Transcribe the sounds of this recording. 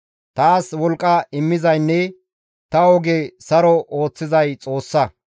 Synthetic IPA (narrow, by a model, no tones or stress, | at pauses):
t̪aːswɔlkʼːɐɪmːɪzɐjnːɛ | t̪ɐɔɡɛsɐɾɔʔo̞ːt͡sːɪzɐjt͡sʼo̞ːsːɐ